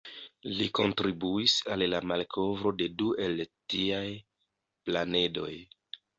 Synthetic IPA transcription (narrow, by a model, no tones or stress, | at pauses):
liko̞ntɾibuisalːamalkʰo̞vɾo̞de̞duʔe̞ltiaj | plane̞do̞̰j